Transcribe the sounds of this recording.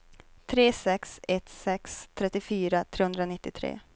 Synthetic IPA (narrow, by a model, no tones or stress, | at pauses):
t̪ʰɾeːsɛksɛt̪sɛkst̪ʰɾɛt̪ːɪfyːɾat̪ʰɾeːhɵnd̪ɾanɪt̪ːɪt̪ʰɾḛː